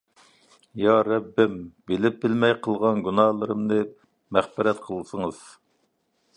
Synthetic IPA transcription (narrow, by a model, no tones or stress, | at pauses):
jɑɾɛbːɪmbɪlɪp̚bɪlmɛjqʰəlˠʁɑnɡʲunɑːlˠɨɾɨmnɨ | mæχbɪɾɛt̪qʰəlˠsəŋɨz̥